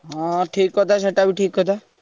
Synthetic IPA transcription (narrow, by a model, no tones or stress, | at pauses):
ɦãʈʰikːɔt̪ʰaʃeʈabiʈʰiːkɦɔt̪a